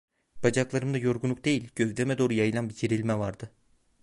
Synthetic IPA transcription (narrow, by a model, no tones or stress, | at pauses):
b̥ad͡ʒaklˠaɾɯmd̪ajo̞ɾɡunˠuk̚d̪e̞jilʲɟøzd̪ɛmɛd̪o̞ːɾujajɯlˠanbiɟʰiɾilʲmɛvaɾd̪ɯ